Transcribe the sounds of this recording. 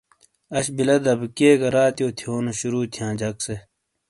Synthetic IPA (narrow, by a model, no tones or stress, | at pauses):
ɐɕbilɐd̪ɐbkeːɡɐɾaːt̪joːt̪ʰijoːnuɕuɾuːt̪ʰijãːd͡ʑɐkse